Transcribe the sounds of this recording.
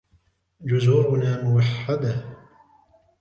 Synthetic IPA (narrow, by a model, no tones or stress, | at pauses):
d͡ʒʊzuːɾʊnaːmʊwaħːad̪a